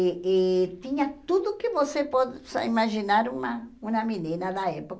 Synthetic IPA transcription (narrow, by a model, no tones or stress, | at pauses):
et̪ĩɲɐt̪ud̪ʊkɪvosepoðsimaʒinaɾũmɐũnɐminĩnɐd̪aepok